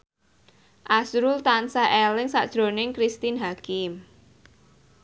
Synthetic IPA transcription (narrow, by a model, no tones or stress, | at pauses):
ʔasɾult̪ansaʔɛlɪŋsaʔd̥ʒ̥ɾo̤nɪŋkɾist̪inɦakɪm